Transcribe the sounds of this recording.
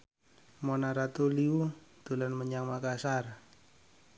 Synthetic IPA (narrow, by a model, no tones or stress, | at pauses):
monaɾat̪uliud̪̥ulanməɲaŋmakasar